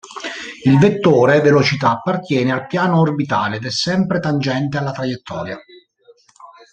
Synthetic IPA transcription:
ilvet̪ːoːɾevelot͡ʃit̪aːpːart̪jɛːnealpjaːnoːrbit̪a̰ːled̪ɛsːɛmpɾet̪and͡ʒɛnt̪̬ealːat̪ɾajet̪ʰːɔ̰ːɾja

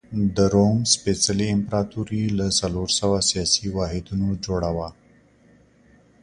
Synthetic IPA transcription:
d̪əɾomspesaliɪmpɾɑt̪uɾilasaloɾsəwasijɑsiwɑɦɪd̪unod͡ʒoɽawa

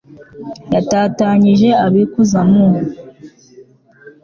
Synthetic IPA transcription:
jataːtaɲiʒe̞aβikuzamuho

